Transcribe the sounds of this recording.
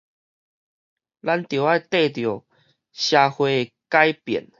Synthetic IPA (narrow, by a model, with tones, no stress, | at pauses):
la˧˦nt̪jo˨˩a˧˨jt̪e˥˧˨t̪jo˨˩ | ɕja˧hwe˧ | ka˦jpjɛ̰˨˩n